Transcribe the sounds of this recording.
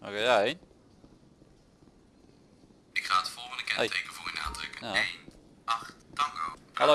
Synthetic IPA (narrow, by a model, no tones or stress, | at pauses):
ʔo̰kejaejn | ɪkχaːətəfɔlˠχəndəkɛ̰jtejkəvʊːryna̰ːdrə̰kəjaejnʔɑχtɑŋɡo̰halo